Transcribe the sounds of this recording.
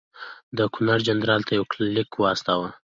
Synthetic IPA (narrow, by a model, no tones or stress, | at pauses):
d̪əkʊnaɾd͡ʒanɾɑlt̪ʰajawklɪkwst̪awa